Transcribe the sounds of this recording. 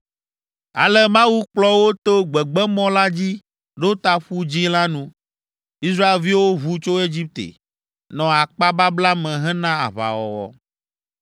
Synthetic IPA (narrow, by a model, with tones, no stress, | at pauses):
a̰˨lɛ˦mã˦wu˦k͡plɔ˦wo˦t̪o˦ɡ͡bɛ˨ɡ͡bɛ˦mɔ̃˦la˦d͡ʑi˦ | ɖo˦t̪a˦ɸu˦d͡ʑi˦la˦nũ˦ | i˦s̬ɾa˦e˨lvi˦wo˦βu˦t͡ʃo˦e˦d͡ʑi˦p̚t̪ḛ˨ | nɔ̃˨a˨k͡pa˦ba˦bla˦mɛ̃˨ɦɛ̃˦nã˦a̰˨βa̰˨wɔ̰˨wɔ̰˨